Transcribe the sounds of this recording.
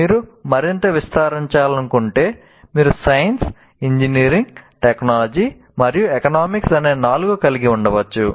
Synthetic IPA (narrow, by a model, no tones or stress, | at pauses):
miːɾumɐɾint̪ɐʋist̪aːɾiɲt͡ʃaːlɐnukuɳʈe̞ː | miːɾusɐjɐns | iɲd͡ʒiniːɾiŋɡʈeknaːlɐd͡ʒi | mɐɾijuekɐnaːmiksɐne̞ːnaːluɡukɐliɡiuɳɖɐʋɐt͡ʃːu